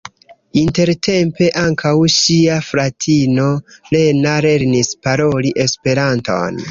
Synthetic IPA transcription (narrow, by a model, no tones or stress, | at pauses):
inte̞ɾtʰe̞mpe̞ʔaŋkʰawʃiafɾatʰino̞le̞naɾe̞ɾnispaɾo̞liʔe̞spe̞ɾanto̞̰n